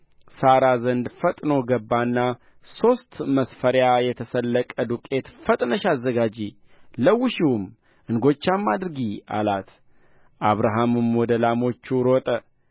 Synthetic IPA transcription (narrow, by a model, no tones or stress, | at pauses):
saɾazənd̪fət̪ʼnoɡəbːanːa | so̞st̪məsfəɾjajɛt̪ʰəsəlːəkʼəd̪ukʼe̞t̪fət̪ʼnəʃazːəɡad͡ʒi | ləwːɪʃiwum | ʔɨnɡot͡ʃːamːad̪ɾɨɡia̰lat̪ | ʔaβɾaɦamɨmwɔd̪əlamo̞t͡ʃːuɾot̪ʼə